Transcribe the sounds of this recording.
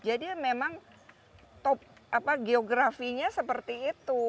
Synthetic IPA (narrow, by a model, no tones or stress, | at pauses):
d͡ʒadimemaŋ | t̪ɔp̚apaɡeoɡɾafiɲasəpərt̪iːt̪u